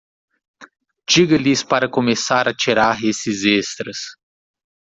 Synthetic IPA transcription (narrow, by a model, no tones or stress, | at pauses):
d͡ʒiɡɐlɪspaɾɐkomesaɾɐt͡ʃiɾaɾesɪzest̪ɾɐs